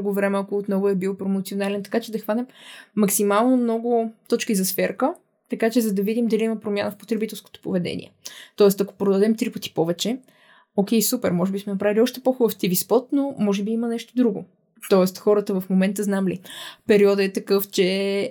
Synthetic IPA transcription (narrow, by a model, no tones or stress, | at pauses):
uɡʊvɾɛmɛɐkoːt̪nɔɡʊɛbilˠpɾomot̪sionalɛnt̪ɐ̥kat͡ʃɛd̪ɐxvanɛmːɐksimalˠnomnɔɡʊt̪ɔt͡ʃkizɐsfɛɾkə | t̪ɐkat͡ʃɛzɐd̪ɐvid̪imd̪ɐliimɐpɾomʲjanəfpot̪ɾɛbit̪ɛlˠsko̥t̪o̥povɛd̪ɛ̰nḭɛ̰t̪ɔɛst̪ɐko̥pɾod̪ɐd̪ɛmt̪ɾipət̪i̥pɔvɛt͡ʃɛ | ok̟ʲɛjsupɛɾmɔʒɛbismɛnɐpɾaviliɔʃt̪ɛpoxubəft̪ivispɔt̪nomɔʒɛbiimənɛʃt̪od̪ɾuɡo | t̪ɔɛst̪xɔɾət̪əvɐfmomɛnt̪əznamlipɛɾiɔd̪əɛt̪ɐkɤft͡ʃɛ